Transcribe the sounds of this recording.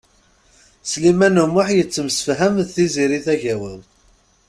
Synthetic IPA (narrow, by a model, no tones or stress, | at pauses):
slimænumʊħjət͡sːəmsə̥fɦæmðθiziɾiθæʝæwəl